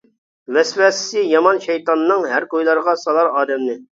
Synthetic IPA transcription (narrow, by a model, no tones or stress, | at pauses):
vɛswɛsːɪjɑmɑnʃɛjt̪ɑnːɨŋɦæɾkojlˠɑɾʁɑsɑlˠɑɾɑːd̪ɛmnɪ